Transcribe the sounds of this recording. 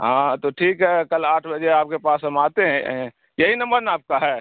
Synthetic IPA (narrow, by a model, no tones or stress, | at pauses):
ɦãːt̪oʈʰiːkɦɛːkɐlaːʈʰbəd͡ʒeaːp̚kepaːsɐmaːt̪eɦɛ̃ | jɐɦinɐ̃mbəɾnaːp̚kaɦɛː